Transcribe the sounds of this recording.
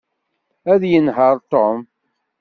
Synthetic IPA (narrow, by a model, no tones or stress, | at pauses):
æðjənɦəɾˤt̪om